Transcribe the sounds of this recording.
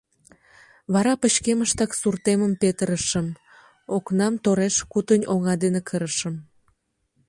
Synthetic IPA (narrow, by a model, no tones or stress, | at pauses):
βɑɾɑpət͡ɕkeməʃt̪ɑksurt̪eməmpet̪əɾəʃəm | oknɑmt̪oɾeʃkut̪ənʲoŋɑd̪enekʰəɾəʃəm